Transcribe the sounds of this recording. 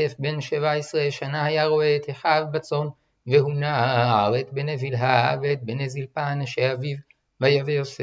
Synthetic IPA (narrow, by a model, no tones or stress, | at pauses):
efbe̞nʃevaesʁeʃanahajaʁo̞eːt̪heħavbat͡so̞n | ve̞ɦunaaaaʁetbenevilɦaavet̪̚benezilpanaʃeaviv | vajavejose